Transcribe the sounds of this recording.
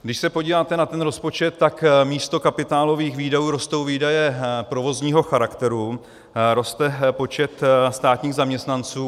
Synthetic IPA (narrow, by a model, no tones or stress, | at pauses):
ɡdɪʃsɛpo̞ɟiːvaːt̪ɛnat̪ɛnɾo̞spo̞t͡ʃɛt̪ːakmiːst̪o̞kapɪt̪aːlo̞viːxviːdajuːɾo̞st̪o̞wviːdajɛpɾo̞vo̞zɲiːɦo̞xaɾakt̪ɛɾu | ɾo̞st̪ɛpo̞t͡ʃɛt̪st̪aːt̪ɲiːɣzamɲɛst̪nant͡suː